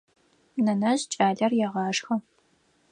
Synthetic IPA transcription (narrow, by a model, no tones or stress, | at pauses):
nɐnɐʑt͡ʃʼaːɮɐrjɛʁɑːʂxɐ